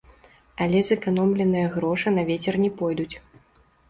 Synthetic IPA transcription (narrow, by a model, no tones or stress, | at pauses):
ɐlʲɛzɨkanɔmlʲɛnɨjɐɣɾɔʂɨnɐvʲet͡sʲɛrnʲɛpɔjd̪ut͡sʲ